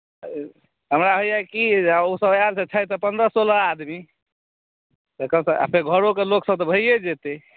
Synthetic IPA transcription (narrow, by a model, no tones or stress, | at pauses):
ɦəmɾaɦojakiausəbaɾsẽt͡ʃʰajt̪əpənd̪ɾəsoləad̪mi | t̪əkəmsəa̰pʰeɾɡʱəɾokeloksəb̚t̪ɔbʱəijed͡ʒet̪e